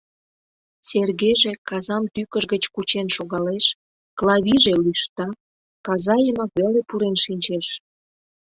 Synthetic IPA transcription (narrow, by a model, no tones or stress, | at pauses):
serɣeʒekɑzɑmt̪ykəʒɣət͡ɕkut͡ɕenʃoɣɑleʃ | klɑβiʒelyʃt̪ɑ | kɑzɑjəmɑkβelepuɾenʃinʲt͡ɕeʃ